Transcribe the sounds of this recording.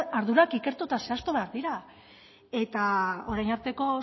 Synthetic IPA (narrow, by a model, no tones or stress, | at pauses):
aɾðuɾakike̞ɾt̪ut̪ase̞ast̪oβeaɾðiɾa | e̞t̪ao̞ɾajnaɾt̪e̞ko̞